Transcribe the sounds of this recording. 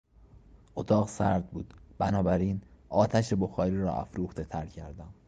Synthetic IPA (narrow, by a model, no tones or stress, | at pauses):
ʔot̪ʰɒːɣsæɾd̪̚buːd̪b̥ænɒːbæɾiːnʔɒːt̪ʰæʃe̞bo̞xɒːɾiːɾɒ̰ːʔæ̰fɾuːxt̪e̞t̪ʰæɾcʰæɾd̪æm